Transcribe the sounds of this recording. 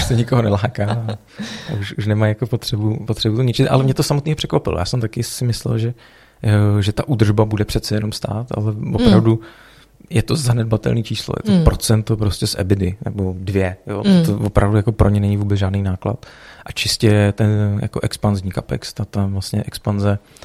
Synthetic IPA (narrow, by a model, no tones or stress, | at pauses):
uʃsɛɲɪkoɦonɛlaːkaː | auʃuʃnɛmajakopot̪r̝̥ɛbupot̪r̥ɛbut̪oɲɛt͡ʃɪʔa̰lɛmɲɛt̪osamot̪niːɦor̥ɛ̥kvapɪlo̰jaːsɛmt̪akɪsɪmɪslɛ̰lʒɛ | ʒɛt̪aʔud̪r̩ʒbabudɛpr̥ɛt̪t͡sɛjɛno̞mst̪a̰ːt̪a̰lɛvopɾavdu | jɛt̪ozanɛd̚bat̪ɛ̰lniːt͡ʃiːslo̰jɛ̰t̪opɾo̞t͡sɛnt̪opɾo̞scʲɛsʔɛ̰bɪdɪnɛ̰bodvjɛjo̰t̪ovopɾavdujako̞pɾomɲɛnɛɲɪvuːbɛt͡sʒaːdnijnaːkla̰t̪ʔat͡ʃɪscɛɛt̪ɛnja̰ko̞ʔɛkspanzɲikapɛ̰kst̪at̪avlast̪ɲɛʔɛkspanzɛ